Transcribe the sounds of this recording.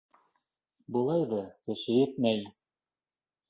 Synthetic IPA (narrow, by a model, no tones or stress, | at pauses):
bŭlˠɑjðɤkɘ̆ʃɘjɘ̆t̪̚mæj